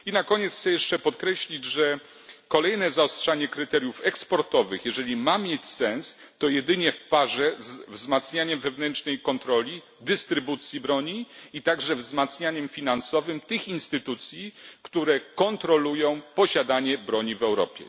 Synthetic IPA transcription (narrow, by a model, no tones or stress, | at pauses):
inakɔɲɛt̪sxt̪sɛjɛʂt͡ʂɛpɔt̪kɾɛɕlʲid͡ʑʐɛ | kɔlɛjnɛzaɔstʂaɲɛkɾɘt̪ɛɾʲjufɛkspɔɾt̪ɔvɘxjɛʐɛlʲimamʲjet͡ɕsɛns | t̪ɔjɛd̪ɘɲɛfpaʐɛzvzmat̪sɲaɲɛmvɛvnɛnt͡ʂnɛjkɔnt̪ɾɔlʲi | d̪ɘst̪ɾɘbut̪sʲjibɾɔɲiit̪aɡʐɛvzmat̪sɲaɲɛmfʲinansɔvɘmt̪ɘxinst̪ɘt̪ut̪sʲjikt̪uɾɛkɔnt̪ɾɔlujɔ̃w̃pɔɕad̪aɲɛbɾɔɲivɛwɾɔ̰pʲjɛ̰